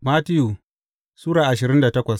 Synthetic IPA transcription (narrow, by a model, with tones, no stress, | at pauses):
maː˦tɪ˦ju˨ | suː˦ɽaː˨ʔa˨ʃɪ˨ɾɪ˦nda˨tɐ˦kʷɐ˨s